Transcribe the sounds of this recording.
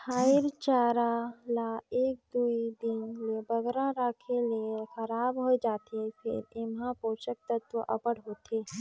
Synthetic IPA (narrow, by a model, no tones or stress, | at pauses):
hʰaːɪɾt͡ʃaːɾalaeːk̚d̪uːid̪ɪnlebəɡɾaɾaːkʰeliexəɾaːbɦoid͡ʒaːt̪epʰɪ̰ɾɪmɦãpoːt͡ʃək̚t̪ət̪ʋəʔɐ̰pəɽɦoːt̪eː